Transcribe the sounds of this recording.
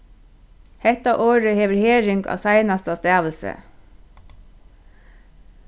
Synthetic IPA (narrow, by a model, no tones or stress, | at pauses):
hɛt̪ɑʔoːɹəheːʋɹɛheːɹɪŋɡɑ̰ːsæɪnɑst̪ɑst̪æːʋlsə̰